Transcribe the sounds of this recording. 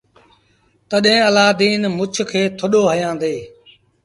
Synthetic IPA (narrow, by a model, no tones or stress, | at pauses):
t̪əɗɦẽːəlaːd̪iːnmʊt͡ʃʰkʰeːt̪ʰʊɗoːɦəjãːd̪eː